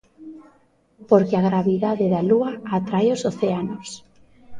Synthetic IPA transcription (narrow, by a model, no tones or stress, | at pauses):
poɾkeaɣɾaβiðaðeðaluaːt̪ɾajosoθeanos